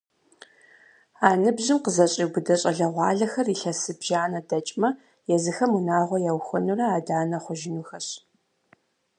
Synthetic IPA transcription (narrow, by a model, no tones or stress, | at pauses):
aːnɨbʑɪmqəzɐɕʼiɡʊdɐɕʼɐɮɐʁʷɑːɮɐxɐriɬɐsɨbʒaːnɐdɐt͡ʃʼmɐ | jɛzɨxɐmunaːʁʷɔjawxʷɔnurɐaːdaːnɐχʷʊʒɪnuxɐɕ